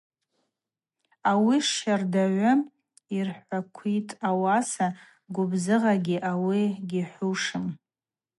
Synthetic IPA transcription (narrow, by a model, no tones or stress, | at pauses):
awiʂardaʕʷʊ | irħʷakʷʰitʼawasa | ɡʷʊbzɨʁaɡʲiʔawiɡʲiħʷuʂɨm